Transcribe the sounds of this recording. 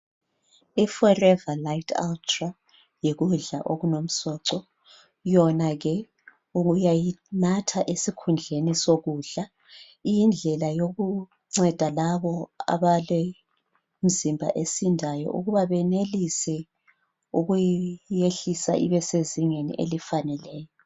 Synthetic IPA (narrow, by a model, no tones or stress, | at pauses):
ifɔrɛvalajtʰa̰ltʰra | jeɣuɮa̰ʔoɣunom̩sɔǀɔ | jɔnaɣɛ | uɣujajinatʰaʔesikʰund͡ɮʱenisoɣuɮa | ijind͡ɮʱɛlajoɣu | ŋ͡ǀɛd̥ʱalaβɔa̰βalɛ | m̩zimbʱa̰ʔesindʱajɔ̰ʔṵɣuβaβɛnelisɛ | uɣujeɬisa̰ʔḭβɛseziŋenḭʔḛlifanɛlɛːjɔ